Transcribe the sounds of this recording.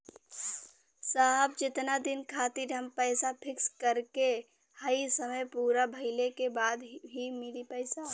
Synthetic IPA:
saɦbd͡ʒɪt̪nad̪inkʰat̪iɾɦəmpəjsapʰikskəɾke | həjsəməjpuɾabʱəɪlekebad̪ɦimilipəɪsa

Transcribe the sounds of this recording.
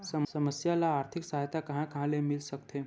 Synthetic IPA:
səsəməsjalaːɾt̪ʰiksaɦjt̪akəɦãkãlemilʃəkt̪ʰe

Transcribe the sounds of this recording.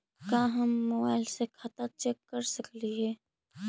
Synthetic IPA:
kaːɦɐmːoːba̰ːɪlsekʰɐt̪at͡ʃekːɐɾsəkliɦɛː

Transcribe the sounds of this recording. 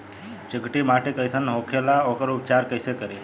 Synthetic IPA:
t͡ʃəɡʈimaʈʰekəjsənɦokʰelaokəɾup̚t͡ʃaɾkəjsekəɾe

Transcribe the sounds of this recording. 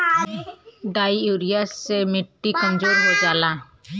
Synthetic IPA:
ɖajuɾiasːemiʈːikɔ̃nd͡ʒoɾɦɔd͡ʒala

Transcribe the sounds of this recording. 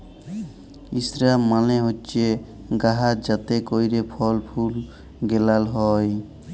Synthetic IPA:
isɾamaleɦotːt͡ʃe | ɡaɦad͡ʒət̪ekoiɾepʰɔlpʰul | ɡelalɦɔj

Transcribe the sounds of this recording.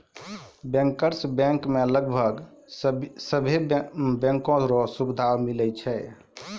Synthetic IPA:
bɛ̃ŋkəɾsbɛ̃ŋkmeləɡbʱəɡ | səbʱebɛ̃ŋkõɾɔsubd̪ʱawmilɛt͡ʃʰɛ

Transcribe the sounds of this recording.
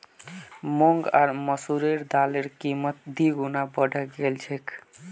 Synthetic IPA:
moŋɡaɾməsuɾeɾd̪aleɾkimət̪̚d̪iɡunabəɖʱəɡelt͡ʃʰek

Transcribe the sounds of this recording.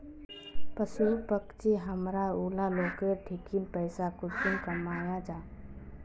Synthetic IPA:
pəsupəkt͡ʃiɦəmɾauːlaloːkeɾʈʰikinpəɪsakʊt̪inkəmaːjad͡ʒaː

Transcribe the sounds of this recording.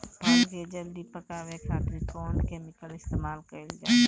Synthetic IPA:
aɡed͡ʒɐld̪ipəkaʋekʰaːt̪ɾĩkɔːnkeːmɪkəlɪst̪eːmaːlkəeld͡ʒa̰

